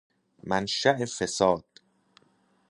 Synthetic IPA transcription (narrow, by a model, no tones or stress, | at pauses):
mænʃæʔefesɒːd̪̥